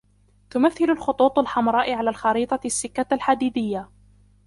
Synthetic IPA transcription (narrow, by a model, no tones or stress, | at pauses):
t̪ʊmaθːɪlʊlxʊt̪ˤuːt̪ˤalħɑmɾˤɑːʔɪʕalaːlxɑɾiːt̪ˤɑsːɪkːaalħad̪iːd̪ɪjːa